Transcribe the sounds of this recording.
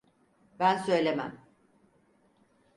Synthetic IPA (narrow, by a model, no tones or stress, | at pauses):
bænsø̞jlʲemæ̰m